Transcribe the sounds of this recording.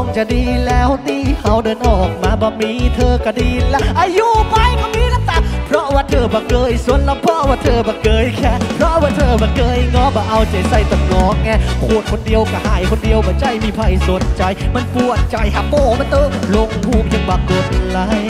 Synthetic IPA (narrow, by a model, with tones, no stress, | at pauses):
ŋt͡ɕa˨˩diː˧lɛː˦˥˩wt̪iː˧˩ha˧˩wdɤː˧nʔɔː˨˩k̚maː˧˩bɔː˧˦miː˧˥t̪ʰɤː˧ka˧˩diː˧lʔaː˧juː˧˩pa˧jma˧˩nmiː˧˥˨la˧˥ŋ̚t̪a˧˩pʰɾɔ˦˥ʔwaː˧˩t̪ʰɤː˧˩bɔː˨˧˦kɤː˧jsu˧˨˩ənla˧˥pʰɾɔ˦˥ʔwaː˧˩t̪ʰɤː˧bɔː˨˩˦kɤː˧jkʰɛː˧˥˩pʰɾɔ˦˥ʔwaː˧˩t̪ʰɤː˧bɔː˨˩kɤː˧˥jŋɔː˧˥bɔː˨˩ʔa˧wt͡ɕa˨˩jsa˧˩jt̪ɔ˨˩t̚lɔː˨˦ŋ̚ŋɛː˧˥˩kʰu˧˩ə˩n̚kʰo˧ndi˧əwka˧˩haː˨˩˦jkʰo˧ndi˧əwbɔː˧˩t͡ɕa˧˩jmiː˧˩pʰa˧˩jsu˨˦ənt͡ɕa˨jma˧˥˨npu˧˩ət̪̚t͡ɕa˨jha˧˩poː˧˩ma˧nt̪ɤː˧˥lo˧ŋhuː˧˩ŋja˧˩ŋbaː˧˩ko˨˩t̪̚la˧˥j